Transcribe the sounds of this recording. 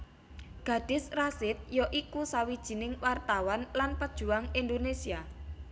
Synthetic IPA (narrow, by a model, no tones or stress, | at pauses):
ɡ̥ä̤ɖ̥ɪ̤srasɪt̪̚jɔʔikusawid̥ʒ̥i̤nɪŋwart̪awanlanpəd̥ʒ̥ṳaŋind̪onesia